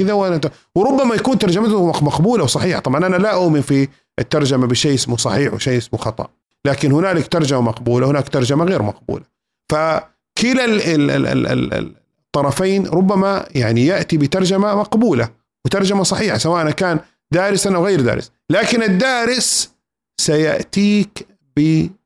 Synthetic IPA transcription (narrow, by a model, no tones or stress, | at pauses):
kɪðawʔat̪ | wɾʊbːamajakuːnt̪ɑɾˤd͡ʒamat̪mɑqbuːlawsˤɑħiːħḁ̰t̪ˤɑbʕɑnʔanalaʔʊʔmɪnfi | ʔɪt̪ːɑɾˤd͡ʒamabɪʃeːʔɪsmusˤɑ̰ħiːħwɪʃeːʔɪsmuxɑt̪ˤɑ̰ʔ | laːkɪnhʊnaːlɪkt̪ɑɾˤd͡ʒamamɑqbuːlawhɪnaːkt̪ɑɾˤd͡ʒamaɣeːɾmɑ̰q̚bṵːla | fa | kɪlalɪ̰ɪ̰ɪ̰ɪ̰ | t̪ˤːɑɾˤɑfaːnɾˤʊbːamajaʕnijaʔt̪ibɪt̪ɑɾˤd͡ʒamamɑqbuːla | wɪt̪ɑɾˤd͡ʒamasˤɑħiːħasawaːʔnakaːn | d̪aːɾɪsanʔawɣeːɾd̪a̰ːɾɪ̰s | laːkɪnɪd̪ːaːɾɪs | sajaʔt̪iːk | bɪ